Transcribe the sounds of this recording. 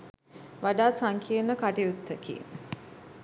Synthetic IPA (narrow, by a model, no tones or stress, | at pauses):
ʋaɖaːsaŋkʰiənəkaʈiut̪ːəkḭ